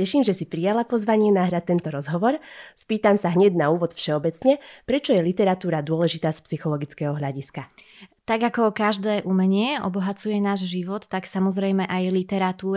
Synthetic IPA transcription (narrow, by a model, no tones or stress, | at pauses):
cɛʃiːmʒɛsipɾijalapɔzʋaɲɪɛnaɦɾat̪̚t̪ːɛnt̪ɔɾɔzɦɔʋɔɾspiːt̪amsaɦɲɛɟnauːʋɔt̪fʃɛɔbɛt͡sɲɛpɾɛt͡ʃɔjɛlit̪ɛɾat̪uːɾad̪ʊɔlɛʒit̪aːspsixɔlɔɡit͡skɛɦɔɦʎaɟiskat̪aɡakɔkaʒd̪ɛːʔumɛɲɪɛɔ̰bɔɦat͡sujɛnaːʒʒiʋɔt̪ːaksamɔzɾɛjmɛʔajlit̪ɛɾat̪uː